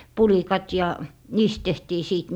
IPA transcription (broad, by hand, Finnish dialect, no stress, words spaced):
pulikɑt jɑ niːst tehtiː siˑt